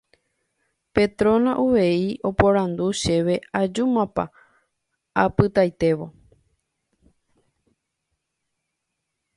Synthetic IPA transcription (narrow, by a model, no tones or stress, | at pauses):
pe̞t̪ɾõ̞nãʔuʋeiʔo̞poɾãnd̪uʃe̞ʋe̞ad͡ʒumãpa̰ | apɨt̪ajt̪e̞ʋo̞